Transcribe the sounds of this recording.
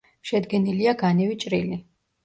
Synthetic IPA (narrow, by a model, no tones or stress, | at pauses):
ʃɛd̪ɡɛniliaɡanɛvit͡ʃʼɾili